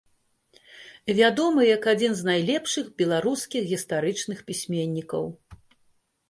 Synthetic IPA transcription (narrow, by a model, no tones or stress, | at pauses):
vʲad̪ɔmɨjɐkad͡zʲinznajlʲɛpʂɨxbʲɛlˠaɾuskʲiɣɣʲist̪aɾɨt͡ʂnɨxpʲisʲmʲenʲːikɐ̰w